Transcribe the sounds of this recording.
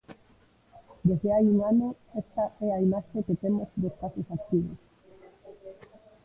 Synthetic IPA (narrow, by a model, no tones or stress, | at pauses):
d̪ezðeajuŋanoest̪aʔɛaimaʃeket̪emozd̪espaθjosakt̪iβo̰s